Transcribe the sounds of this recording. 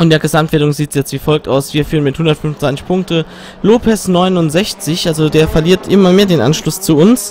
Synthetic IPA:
ʔʊntd̥eɐɡəzamtv̥eːɐdʊŋziːtsjɛt͡stv̥iːfɔlk̚ta̰ʊsv̥iːɐfyːʁənmɪthʊndɐtfʏnvnd̥ʁaɪnt͡sɪ̥çpʰʊŋk̚tə | loːpʰɛsnɔʏnʊntz̥ɛçt͡sɪçʔalzodeːɐfɛɐliːɐtʰʔɪmɐmeːɐdeːnʔa̰nʃlʊst͡suːʊns

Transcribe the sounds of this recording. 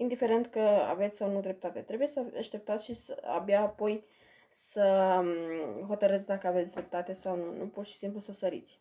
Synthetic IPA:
ind̪ife̞ɾe̞nt̪kəa̰ve̞t̪sʲsawnud̪ɾe̞p̚t̪at̪e̞t̪ɾe̞buje̞səaʃt̪e̞p̚t̪at̪sʲʃisə̰a̰bjaːpo̞j | sə | ɦo̞t̪əɾət̪sʲd̪akəave̞t̪sʲd̪ɾe̞p̚t̪at̪e̞sawnunupurʃi̥simplusəsəɾḭt̪sʲ

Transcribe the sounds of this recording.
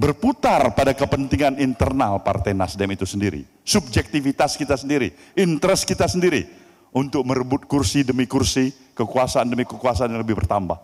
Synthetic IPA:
bərput̪arpadakəpənt̪iŋanint̪ərnalpa̰rt̪ɛjnasdɛmit̪usəndiɾḭ | sub̚d͡ʒɛk̚t̪ifit̪askit̪asəndiɾḭ | int̪əɾɛskit̪asəndiɾi | unt̪ʊk̚məɾəbʊt̪̚kursidəmikursi | kəkuasaandəmikəkuas̬aanjaŋləbɪhbərt̪amba̰h

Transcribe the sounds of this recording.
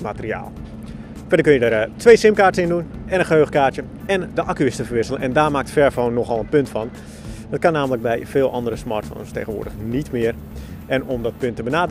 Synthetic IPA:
matəria̰ːlˠ | fɛdərkønjədəɾtʰʋeːsɪmkaːrtəɪndunɛnənχəɦøːxkaːtjə | ɛndəʔakyɪstəfərʋɪsəlˠənɛndaːmaːk̚tfɛɹfoːnːɔxɔlˠənpøntfɑn | dɔt̚kanːaːmələk̚bɛjfɪːlˠʔɑndərəsma̰rtfo̰nstḛːɣənʋʊ̰ːdəxnitmɪər | ʔɛnɔmdɔt̚pøntːəbənaːd

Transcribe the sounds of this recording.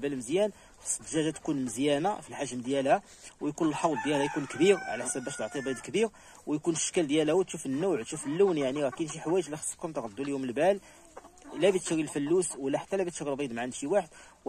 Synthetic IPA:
bælməzjæn | səd̪ʒæʒæt̪kunməzjænafilħaʒmd̪jælhæ | wjkunəlħɑwlˤd̪jælhæjkunkbiɾʕlæħsæbːæʃt̪əʕt̪ˤilbid̪kbiɾ | wjkunəʃkæld̪jælhwt̪ʃufənːuʕt̪ʃufəlːuwnjaʕniɾækinʃiħwæjəʒlixə̥sˤkʊmt̪ɣd̪ːuljuməlbæl | læbit̪ʃɾilfəlːuswəlːæħḁt̪ːælæbit̪ʃɾilbid̪maʕanʃiwaħəd̪

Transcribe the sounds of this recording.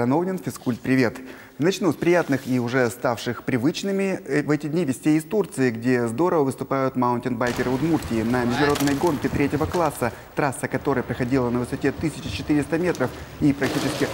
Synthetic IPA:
ɐno̞vnʲɪnfʲɪskulʲt̪̚pɾʲɪvʲe̞t̪ | nɐt͡ɕnusʲpɾʲɪjat̪nɨxiʊʐɛst̪afʂɨxpɾʲɪvɨt͡ɕnɨmʲɪvɛtʲɪdʲnʲivʲɪsʲtʲejɪst̪urt̪sɨɪɡdʲe̞zd̪o̞ɾəvəvɨst̪ʊpajʊt̪maʊntʲɪnbajkʲɪɾɨʊd̪murtʲɪːnəmʲɪʐd̪ʊnɐɾo̞d̪nəjɡo̞nkʲɪt̪ɾʲetʲɪvəklˠasːə | t̪ɾasːəkɐt̪o̞ɾɨjəpɾəxɐdʲilˠənəvɨsɐtʲet̪ɨsʲɪt͡ɕɪt͡ɕɪt̪ɨɾʲɪst̪əmʲe̞t̪ɾəfipɾɐk̚tʲit͡ɕɪskʲɪ

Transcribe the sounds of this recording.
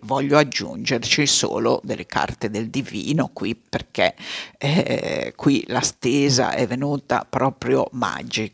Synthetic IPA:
vɔʎːoad͡ʒːṵnd͡ʒert͡ʃiso̰ːlod̪elːekʰa̰rt̪ed̪eld̪ivḭːnokwiperkɛ | kwilast̪eːza̰ʔɛvːenuːt̪a̰pɾɔːpɾjo̰ma̰d͡ʒi

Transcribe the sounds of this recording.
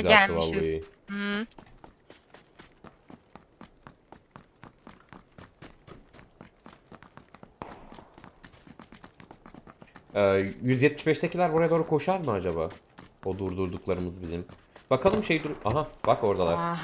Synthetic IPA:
zatːɯvalːˠɯjɯ | ɛːjyzjɛt̪̚mi̥ʃbɛʃt̪ʰɛcʰilʲæɾbuɾajad̪o̞ːɾukʰo̞ʃaɾmɯad͡ʒabaː | od̪uɾd̪uɾd̪uklˠaɾɯmɯzbizim | bakʰalˠɯmʃe̞jid̪uɾʔaɦabako̞ɾd̪alˠaɾ

